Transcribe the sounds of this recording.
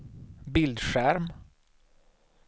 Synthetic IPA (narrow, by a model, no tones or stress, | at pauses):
bɪld̪ʂæɾm